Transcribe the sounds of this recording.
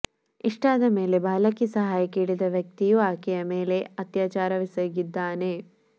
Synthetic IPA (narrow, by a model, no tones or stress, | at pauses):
iʂʈaːd̪ɐme̞ːle̞baːlɐkisɐɦaːjɐkiːɭid̪ɐʋjɐk̚t̪ijuaːkɛjɐme̞ːle̞ɐt̪jaːt͡ʃaːɾɐʋisɐɡid̪ːaːne̞